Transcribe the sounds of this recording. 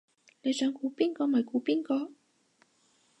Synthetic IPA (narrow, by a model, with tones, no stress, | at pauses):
ne˨˧jsœː˨˥ŋkuː˨˥piː˥nkɔː˧mɐ˨˩jkuː˨˥piː˥nkɔː˧